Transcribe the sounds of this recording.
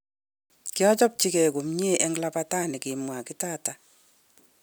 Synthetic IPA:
kɪ˦ɔ˦d͡ʒɔ˦p̚t͡ʃɪ˦kɛ˨ɡo˨mɲ˦e˦ʔɛ˦ŋla˦pa˦ta˦˨nɪ˨kɪ˨mwa˨kɪ˦ta˦ta˨

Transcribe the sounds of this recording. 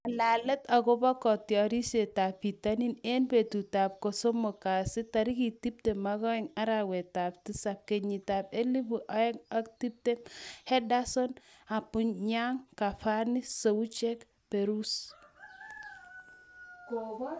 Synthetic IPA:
a˨la˨lɛ˦ta˨ko˦bɔ˦kɔ˨tjɔ˨ɾi˦se˨ta˨pːi˨tani˦ne˦nbe˨tu˨ta˨p̚ko˨so˦mo˨ka˨sɪ˦taɾi˦ki˨ti˦p̚te˨maɣɔ˦ɛŋa˦ɾawe˨tap̚ti˦sap̚ke˨ɲi˨ta˨pe˦li˦buʔa˦ɛ˦ŋa˦k̚ti˦p̚te˦hɛ˦da˦so˦na˨pu˨ɲɲa˦ŋka˨fani˦so˨u˦t͡ʃe˦k | pe˨ɾu˦s | ko˨bɔ˦

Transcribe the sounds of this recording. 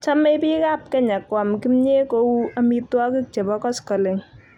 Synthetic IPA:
t͡ʃa˦me˦˧pi˦ka˦˨p̚kɛ˦ɲa˨kɔ˨mki˦mɲe˦ko˧˦a˧mi˧twɔ˦ki˦k̚t͡ʃɛ˨bɔ˦kɔ˦skɔ˨le˨ŋ

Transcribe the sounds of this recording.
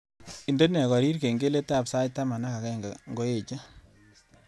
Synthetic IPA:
i˨nde˦nɛ˨kɔ˨ɾi˦ɾke˨ŋɡe˦le˦ta˦˨bsa˦jtːa˦ma˨na˦ka˨kɛ˦ŋɡaŋɡo˦e˨t͡ʃe˦

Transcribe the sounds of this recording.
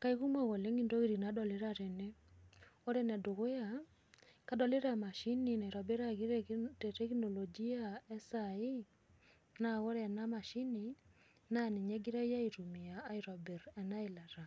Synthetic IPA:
ka˦i˦ɣu˦mɔ˦ɣo˨le˦ŋɡi˦ndo˦ɣi˦ɾi˨na˨˦dɔ˨le˦ɾa˨ɾe˨ne˦ | o˦ɾe˦nɛ˨do˨ɣo˦ja˨ | ka˦dɔ˨le˦ɾa˦ma˨ʃi˦ni˨na˨i˨ɾɔ˨be˦ɾa˦ɣi˦ɾttɛ˦kno˨lɔ˨d͡ʒi˦a˦ɛ˦sai˦ | na˨ɣɔ˦ɾɛ˨na˦ma˨ʃi˦ni˨ | na˦ne˨ɲɛ˦ɡi˦ɾa˦i˦ja˦iɾu˨mi˨aː˨˦iɾɔ˨be˨ɾɛ˨na˦i˨la˨ɾa˨

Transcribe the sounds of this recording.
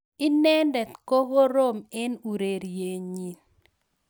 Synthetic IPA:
ɪ˦nɛ˦ndɛ˨t̪ko˦ɣo˦ɾo˦˨mɛ˦nu˨ɾe˨ɾje˨ɲi˨n

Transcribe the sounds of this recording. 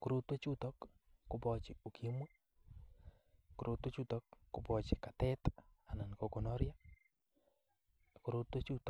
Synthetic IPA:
kʊ˨ɾo˦t̪wo˦t͡ʃu˦tɔ˦kː | ʊ˦bɔ˨t͡ʃɪ˨o˨kʰi˦mwa˦ | kʊ˨ɾʔo˨t̪wo˦t͡ʃu˦t̪ɔ˦kːʊ˨bɔ˨t͡ʃɪ˨ka˨t̪ɛ˦t̪a˨na˨nko˨kɔ˨nɔ˦ɾja˦ | kʊ˨ɾo˦t̪wo˦t͡ʃu˦t

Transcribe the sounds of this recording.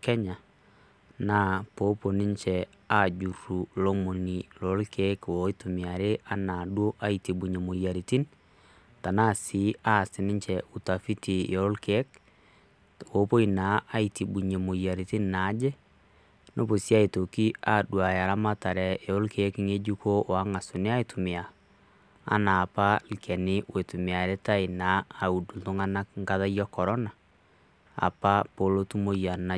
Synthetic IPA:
kɛ˦ɲa˨ | na˦po˦po˨nɪ˦ɲt͡ʃɛ | a˦d͡ʒu˨rːu˨lo˦mo˨nilɔ˨˦lkʰe˦kwɔ˨i˦to˨mi˨a˨ɾe˦ʔa˦na˨dwo˦ʔa˦iti˨bu˨ɲe˨mo˨ja˨ɾi˨ti˦n | ta˨na˦si˦a˦˨sɪ˨nɪ˦ɲt͡ʃɛʔu˨ta˨fi˦ti˨jɔ˨ɔ˦lke˦k̚ | wo˨po˦i˨na˨˦ʔa˦iti˨bu˨ɲe˨mo˨ja˨ɾi˨ti˦nːa˨˦d͡ʒɛ˦ | no˦βo˨sja˦e˨to˨ki˦a˦dwa˨a˨ɾa˦ma˦ta˨ɾɛ˨eɾo˦lkʰeki˦ŋe˦d͡ʒu˦ko˦wa˦ŋa˨so˨ne˦a˦etu˨me˨a̰ː˨˦ | naː˨pa˦likʰɛ˨ni˦we˨tu˨me˨a˨ɾe˦ta˦e˨naː˨u˨du˨ðo˦ŋa˦na˦ŋɡaða˦jɔ˦kɔ˨ɾɔ˦na˨ | a̰˨pa˦po˨lo˦tu˦mo˦ja˨na˨

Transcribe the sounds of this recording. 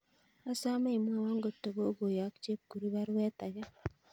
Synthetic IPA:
a˦sa˦me˦i˨m˦a˦wa˦ŋɡo˨tːo˨ɡo˦ɡo˨ja˨˦kt͡ʃe˦p̚ɡ̥u˨ɾi˦βa˦ɾwɛ˦t̪a˨ɡa˦

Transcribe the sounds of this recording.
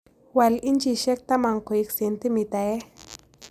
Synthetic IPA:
wa˨li˦nt͡ʃi˨ʃe˦k̚t̪a˦ma˨ŋko˨ikse˨nt̪i˦mi˨t̪a˨e˦

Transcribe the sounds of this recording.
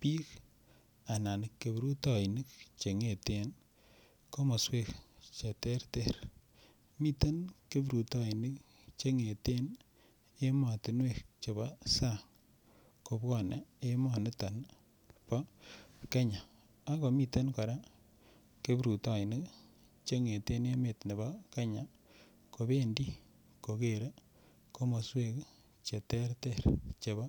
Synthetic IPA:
pi˦k | a˨na˨nɪ˨kːe˨bɾu˦tɔ˨i˨ni˦kt͡ʃe˨ŋe˨te˦n | ko˦mɔ˨swe˦˨kt͡ʃe˨te˦rtɛ˦ɾ | mi˦te˦nke˦bɾu˨tɔ˦i˨ni˦k | t͡ʃe˦ŋe˨te˦n | e˦ma˨ti˨nwe˦˨k̚t͡ʃe˨ba˦sa˦˨ | ko˨bkɔ˦˨ne˨e˦ma˨nɪ˦ta˨n | pa˦ke˦ɲa˨ | a˦ko˨mi˦˨te˦nkɔ˨ɾa˦ | ke˦bɾu˨ta˨ɪ˨nɪ˦k | t͡ʃe˦ŋe˨te˦ne˦me˨tne˨ba˦ke˦ɲa˨ | ko˨be˦ndi˦ | ko˨ke˨ɾe˦ | ko˦mo˨swe˦k | t͡ʃe˨tɛ˦ɾte˦˨ɾt͡ʃe˨βa˦

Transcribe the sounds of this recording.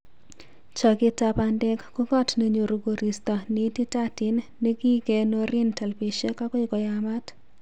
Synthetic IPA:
t͡ʃɔ˨ɡɪ˦ta˦pa˨ndɛ˦kːu˦ɡɔ˦tne˨ɲo˨ɾo˨ɡo˨ɾi˨stɔ˨nɪ˨˦ti˦ta˦tɪ˦nːe˦ɡi˦ɡe˨no˦ɾɪ˦ntɛ˨lpi˨ʃe˦ka˦kɔ˦ɪ˦ɡɔ˨ja˨ma˦t

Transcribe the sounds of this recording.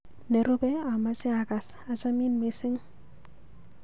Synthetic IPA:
nɛ˨ɾʊ˦bɛ˦a˨ma˦t͡ʃɪ˦a˨ka˨sa˨t͡ʃa˦mi˦nme˨sɪ˦ŋ

